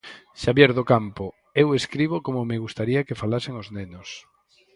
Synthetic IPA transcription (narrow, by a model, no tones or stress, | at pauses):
ʃaβjeɾðokampo | eweskɾiβ̞okomomeɣ̞ust̪aɾiakefalaseŋoznenos